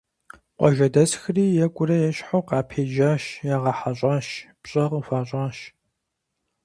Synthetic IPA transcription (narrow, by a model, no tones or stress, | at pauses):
qʷʼɔʒɐdɐsxɨriːjɛkʷʼʊɾɐjɛɕħoːqɑːpʰeːʒaːʃjaːʁɐħaɕʼaːʃpɕʼɐʁəfaːɕʼaːʃ